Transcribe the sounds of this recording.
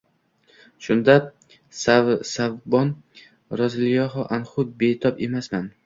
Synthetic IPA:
ʃʊnd̪a | sasavbɒn | ɾɒzlɪjɒɦɒʔanχʊd̪̚bet̪ʰɒpemasman

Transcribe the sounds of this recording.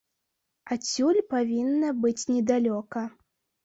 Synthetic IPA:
at͡sʲulʲpavʲinːɐbɨt͡sʲnʲɛd̪alʲɔkɐ

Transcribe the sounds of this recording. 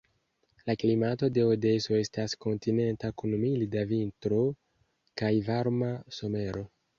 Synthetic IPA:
laklimato̞de̞ode̞so̞e̞stasko̞ntine̞ntakunmilidavintɾo | kajvaɾmaso̞me̞ɾo̞

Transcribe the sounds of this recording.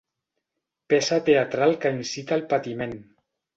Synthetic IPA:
pesat̪eat̪ɾalˠkainsit̪aːlˠpat̪imen

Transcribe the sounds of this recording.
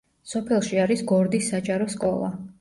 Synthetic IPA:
sɔpʰɛlˠʃiaɾisɡɔɾd̪isːad͡ʒʼaɾɔskʼɔlˠa̰

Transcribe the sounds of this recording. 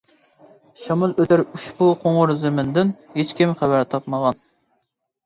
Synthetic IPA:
ʃɑmulˠød̪æɾuʃpuqʰoŋʁʊɾzɪmɪnd̪ɪnhet͡ʃʲkʲimχæbæɾt̪ʰɑp̚məʁɑn

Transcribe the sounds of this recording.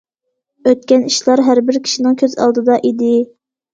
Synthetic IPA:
øt̪̚kʲɛniʃlˠɑɾɦæɾbɪɾkʲʰi̥ʃinɪŋkʲʰøzɑ̰lˠd̪ɨd̪ɑʔid̪ɪ

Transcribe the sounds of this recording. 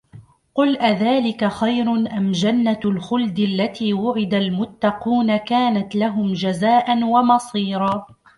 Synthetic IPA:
qʊlʔaðaːlɪkaxajɾʊʔamd͡ʒanːalxʊld̪ɪʔalːat̪iːwʊʕɪd̪almʊt̪ːɑquːnakaːnat̪laɦʊmd͡ʒazaːʔanwamɑsˤiːɾɑː

